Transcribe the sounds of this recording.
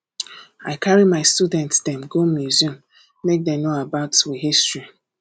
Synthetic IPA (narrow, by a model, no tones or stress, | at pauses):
a̰ɪkʰaɹimaɪstudɛ̃ntsdɛ̃mɡomjuzũm | mek̚denoabaʊtwiɦistɹi